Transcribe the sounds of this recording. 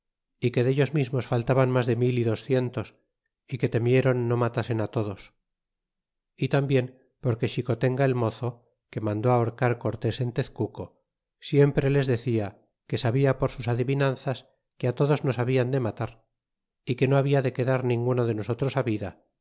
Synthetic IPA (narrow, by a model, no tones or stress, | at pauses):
ike̞ðeʝo̞zmizmosfalt̪aβanmazðe̞miliðo̞sθje̞nt̪o̞s | ike̞t̪e̞mje̞ɾo̞nːo̞mat̪ase̞nat̪o̞ðo̞s | it̪ambje̞m | po̞ɾke̞ʃiko̞t̪e̞ŋɡae̞lmo̞θo̞ | ke̞mãnd̪oaoɾkaɾko̞ɾt̪e̞se̞nt̪eθkuko̞ | sje̞mpɾe̞le̞zðe̞θia | ke̞saβiapoɾsusaðiβinanθas | keat̪o̞ðo̞zno̞saβiand̪e̞mat̪aɾ | ike̞no̞aβiaðe̞ke̞ðaɾnĩŋɡunoðe̞no̞so̞t̪ɾo̞saβiða